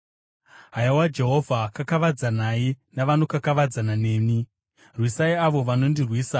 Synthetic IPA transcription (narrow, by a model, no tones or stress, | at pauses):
ɦajawad͡ʒe̞ɦo̞vʱakakaʋad͡zanainaʋano̞kakaʋad͡zanane̞ːni | rwisaiaʋo̞ʋano̞ndirwiːsa